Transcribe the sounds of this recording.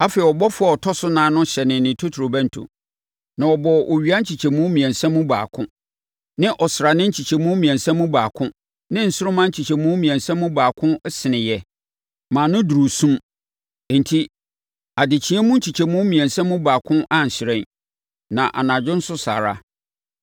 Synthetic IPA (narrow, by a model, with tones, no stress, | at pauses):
a˦fɛ˨i˨ɔ˨bɔ˦fʊ˦a˨ɔ˨tʰɔ˦sʊ˦nãː˦nʊ̃˦ɕɛ˨nɪ̃˨nnɪ̃˨tʰo˦tʰu˨ɾo˨bæ̃˦n˨tʰʊ̰̃˨ | nã˨ɔ˨bɔ˨ʔo˨ɥi˨a˦n̩˦t͡ɕʰi˨t͡ɕʰɛ˨mũ˦mĩ˨ɛ̃˨n˨sɛ̃˦mːũ˦ba̰ː˨kʰʊ̃˦ | nɪ̃˦ʔɔ˨sɪ˨ɾa˨nɪ̃˦n̩˦t͡ɕʰi˨t͡ɕʰɛ˨mũ˦mĩ˨ɛ̃˨nsɛ̃˦mːũ˦baː˨kʰʊ̃˦ | nɪ̃˦n̩˨sʊ˦ɾʊ˦mã˦n̩˦t͡ɕʰi˨t͡ɕʰɛ˨mũ˦mĩ˨ɛ̃˨nsɛ̃˦mːũ˦baː˨kʰʊ̃˦sɪ˨nɪ̃˨jɛ˦ | mãː˨nʊ̃˦du˨ɾu˨sũ˦m˨ | n̩˨tʰi˦ | a˨dɪ˨t͡ɕʰĩ˦ɛ˦mũ˦n̩˦t͡ɕʰi˨t͡ɕʰɛ˨mũ˦mĩ˨ɛ̃˨nsɛ̃˦mũ˦baː˨kʰʊ̃˦ʔa˦˨n̩˨ɕɪ˨ɾɛ̃˦˨ | nã˨ʔa̰˨nã˨d͡ʑʊ̃˦n̩˦sʊ˦sa̰˨ɾa̰˦